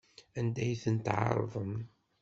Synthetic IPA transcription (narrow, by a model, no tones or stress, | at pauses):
ænd̪æjθənt̪ʕɑ̰ɾˤðˤəm